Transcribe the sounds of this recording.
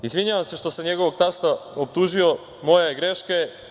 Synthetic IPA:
izʋiɲaʋamse̞ʃt̪o̞samɲeɡo̞ʋo̞ɡ̚t̪ast̪aop̚t̪uʒio̞ | mo̞jeɡɾeʃke

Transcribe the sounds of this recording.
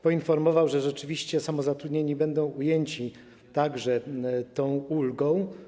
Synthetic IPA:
pɔinfɔɾmɔvawʐɛʐɛt͡ʂɘvʲiɕt͡ɕɛsamɔzat̪ɾud̪ɲeɲibɛnd̪ɔ̃w̃ujeɲt͡ɕi | t̪aɡʐɛt̪ɔ̃w̃ulɡɔ̃w̃

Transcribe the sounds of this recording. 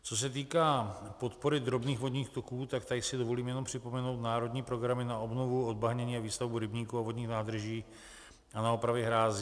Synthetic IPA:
t͡so̞s̬ɛt̪̬iːkaːpo̞t̪po̞ɾɪd̪ɾo̞bniːxvo̞dɲiːxt̪o̞kuːt̪akt̪aɪsɪdovo̞liːmjɛno̞mpr̥ɪpo̞mɛno̞wt̪naːɾo̞d̪ɲiːpɾo̞ɡɾamɪnaʔobnovuod̪̚baɦɲɛɲiːaviːst̪avbuɾɪbɲiːkuavo̞dɲiːxnaːd̪rʒiː | ʔanaopɾavjɛɦɾaːziː

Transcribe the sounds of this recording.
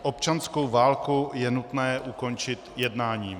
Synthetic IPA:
ʔopt͡ʃansko̞wvaːlkujɛnut̪nɛːʔuko̞nt͡ʃɪt̪jɛdnaːɲiː

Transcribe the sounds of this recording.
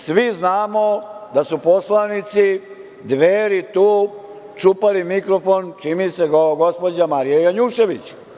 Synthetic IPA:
sʋiznaːmod̪asuposlanit̪si | d̪ʋeːɾit̪uː | t͡ʃupalimikɾofont͡ʃimiseɡoɡospod͡ʑamaɾijejaɲuːʃe̞ʋit͡ɕ

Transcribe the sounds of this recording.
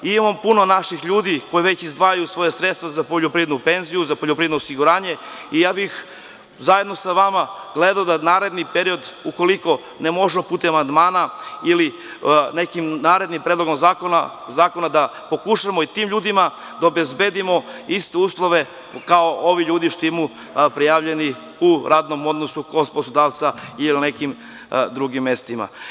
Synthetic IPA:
imampuno̞naʃixʎuːd̪iko̞jeʋet͡ɕizd̪ʋaːjajusʋo̞jasɾet̪st̪ʋazapoʎopɾied̪nupe̞nzijuzapoʎopɾiːed̪noːosiɡuɾaːɲe̞ijaːbix | zajed̪no̞saʋamaɡ̥le̞d̪aod̪anaːɾe̞d̪nipe̞ɾio̞d̪uko̞liko̞ | ne̞mo̞ʒemopuːt̪eamand̪maːnaili | ne̞kimnaːɾe̞d̪nimpɾed̪lˠo̞ɡomazakona̰zaːko̞nad̪apo̞kuʃamoit̪iːmʎuːd̪ima | d̪aobezbed̪imo̞ist̪e̞uːslˠo̞ʋe̞ | kaoʔoʋiʎuːd̪iʃt̪oemu | pɾijaʋʎe̞ni | uɾaːd̪no̞mo̞d̪nosukoposod̪aːʋt̪sailinekim | d̪ɾuɡimːe̞st̪ima̰

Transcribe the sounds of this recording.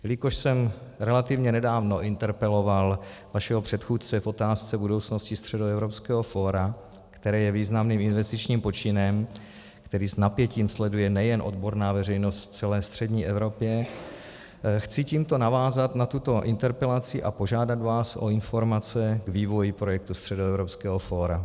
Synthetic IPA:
lɪkoʃsɛmɾɛlat̪ɪvɲɛnɛdaːvno̞ʔɪnt̪ɛɾpɛlo̞valvaʃɛɦopr̝̥ɛt̪xuːt̪̚t͡sɛfʔo̞t̪aːst͡sɛbudowt͡sno̞scɪst̪r̝̥ɛdoɛvɾo̞pskɛːɦo̞fo̞ːɾa | kt̪ɛɾɛːjɛviːznamniːmɪnvɛst̪ɪt͡ʃɲiːmpo̞t͡ʃɪnɛm | kt̪ɛɾiːsnapjɛciːmslɛdujɛnɛjɛnʔo̞̰d̪bo̞ɾnaːvɛrɛjno̞st̪ft͡sɛlɛːst̪r̝̥ɛdɲiːʔɛvɾo̞pjɛ | xt͡sɪciːmt̪o̞navaːzat̪nat̪ut̪o̞ʔɪnt̪ɛɾpɛlat͡sɪʔapo̞ʒaːdad̪vaːsʔo̞̰ɪnfo̞ɾmat͡sɛɡviːvo̞jɪpɾo̞jɛk̚t̪ust̪r̥ɛdoɛvɾopskɛːɦofoːɾa

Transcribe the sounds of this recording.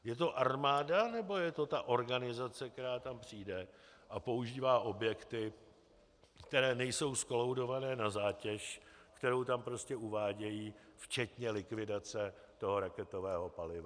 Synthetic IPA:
jɛt̪̬o̞ʔarmaːdanɛbo̞jɛt̪o̞t̪aʔo̞ɾɡanɪzat͡sɛk̚t̪ɛɾaːt̪ampr̝̥iːdɛ | ʔapo̞uʒiːvaːʔo̞bjɛkt̪ɪ | kt̪ɛɾɛːnɛjso̞wskolowdo̞vanɛːnazaːcɛʃ | kt̪ɛɾo̞wt̪ampɾo̞scɛʔuvaːɟɛjiːft͡ʃɛt̪ɲɛlɪkvɪdat͡sɛ | t̪o̞ɦo̞ɾakɛt̪o̞vɛːɦo̞palɪva

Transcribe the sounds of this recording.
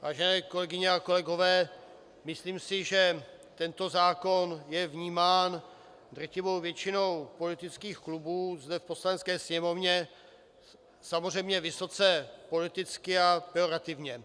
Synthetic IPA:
vaːʒɛnɛːko̞lɛɡɪɲɛako̞lɛɡo̞vɛː | mɪsliːmsɪʒɛ | t̪ɛnt̪o̞zaːko̞njɛvɲiːmaːn | d̪rɛcɪvo̞wvjɛt͡ʃɪno̞wpo̞lɪt̪ɪt͡skiːxklubuːzdɛfpo̞slanɛt͡sskɛːsɲɛmo̞vɲɛ | samor̝ɛjmɲɛvɪso̞t͡sɛpo̞lɪt̪ɪt͡skɪapɛoɾat̪ɪvɲɛ

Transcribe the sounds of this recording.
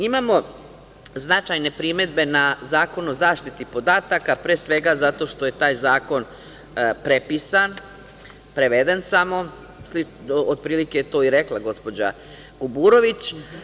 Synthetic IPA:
imamo̞ | znat͡ʃajne̞pɾime̞d̪be̞nazaːko̞nuozaːʃt̪it̪ipo̞d̪aːt̪akapɾeːsʋe̞ɡazat̪o̞ʃt̪o̞je̞t̪aːjzaːko̞n | pɾe̞pisan | pɾeʋed̪e̞nsamo̞ | sli | od̪̚pɾiːliket̪o̞ːiɾe̞klˠaɡo̞spo̞d͡ʑa̰ | ɡ̥ubuːɾo̞ʋit͡ɕ

